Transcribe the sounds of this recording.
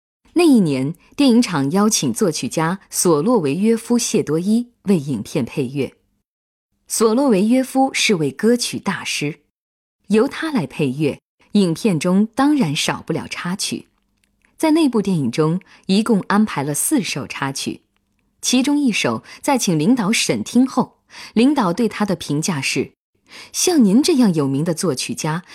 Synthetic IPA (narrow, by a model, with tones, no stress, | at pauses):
na˥˧i˥˩njɛ˧˥nt̪jɛ˥˩ni˧˥ŋʈ͡ʂʰɑ˨˩ŋjɑ˥ʊt͡ɕʰi˨˩ŋt͡swɔ˥˩t͡ɕʰy˨˩t͡ɕja˥swɔ˨˩lwɔ˥˩we˧˥ɪɥɛ˥fu˥ɕjɛ˥˩t̪wɔ˥i˥ | we˥˩ɪi˨˩ŋpʰjɛ˥˧npʰe˥˧ɪɥɛ˥˩ | swɔ˨˩lwɔ˥˩we˧˥ɪɥɛ˥fu˥ʂɻ̩˥˧we˥˩ɪkɤ˥t͡ɕʰy˨˩t̪a˥˩ʂɻ̩˥ | jo˧˥ʊt̪ʰa˥la˧˥ɪpʰe˥˧ɪɥɛ˥˩ | i˨˩ŋpʰjɛ˥˩nʈ͡ʂʊ˥ŋt̪ɑ˥ŋɻa˧˥nʂɑ˨˩ʊpu˥˩ljɑ˨˩ʊʈ͡ʂʰa˥t͡ɕʰy̰˨˩˦ | t͡sa˥˧ɪne˥˧pu˥˧t̪jɛ˥˩ni˨˩ŋʈ͡ʂʊ˥ŋ | i˧˥kʊ˥˧ŋa˥npʰa˧˥ɪlə˧sɹ̩˥˩ʂo˨˩ʊʈ͡ʂʰa˥t͡ɕʰy̰˨˩˦ | t͡ɕʰi˧˥ʈ͡ʂʊ˥ŋi˥˩ʂo˨˩˦ʊt͡sa˥˩ɪt͡ɕʰi˨˩ŋli˧˥ŋt̪ɑ˧˥ʊʂə˨˩nt̪ʰi˥ŋxo˥˩ʊ | li˧˥ŋt̪ɑ˨˩ʊt̪we˥˩ɪt̪ʰa˥d̪ə˨pʰi˧˥ŋt͡ɕja˥˧ʂɻ̩˥˩ | ɕjɑ˥˩ŋni˧˥nʈ͡ʂɤ˥˧jɑ˥˩ŋjo˨˩ʊmi˧˥ŋd̪ə˧t͡swɔ˥˩t͡ɕʰy˨˩t͡ɕja˥